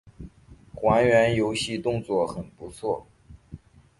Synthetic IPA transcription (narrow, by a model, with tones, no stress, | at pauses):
xwa˧˥nɥɛ˧˥njo˧˥ʊɕi˥˧t̪ʊ˥˧ŋt͡swɔ˥˩xə˨˩npu˧˥t͡sʰwɔ˥˩